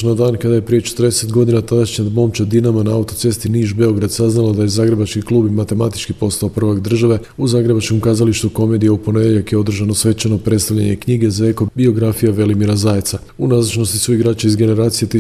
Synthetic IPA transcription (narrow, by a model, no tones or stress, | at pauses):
nad̪aːnkad̪aje̞pɾije̞t͡ʃe̥t̪əɾd̪eset̪ɡo̞d̪inat̪ad̪aʃɲamo̞ːmt͡ʃad̪inamanaaut̪o̞t̪se̞st̪iniːʒbe̞o̞ɡɾad̪saznalˠad̪ajezaːɡɾe̞bat͡ʃkiklˠuːbimat̪e̞mat̪i̥t͡ʃkipo̞st̪aopr̩ʋaɡd̪r̩ʒaʋe̞ | uzaːɡɾe̞bat͡ʃkomkaːzaliʃt̪uko̞me̞ːd̪ijaupo̞ne̞d̪eʎakjeo̞d̪r̩ʒanosʋe̞t̪t͡ʃeno̞pɾest̪alʎaɲe̞kɲiːɡe̞zae̞ko̞bio̞ɡɾafijaʋe̞limiɾazaːjet̪sa | unazat͡ʃno̞st̪isuiɡɾaːt͡ʃaizɡe̞ne̞ɾaːt̪sijet̪